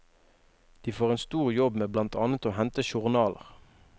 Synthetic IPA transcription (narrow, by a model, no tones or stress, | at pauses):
d̪̥iːfoːʁeːnst̪uːʁjɔbmeːblɑnt̪ʰɑːnət̪oːhɛnt̪əʃʊʁnɑːlə̰ʁ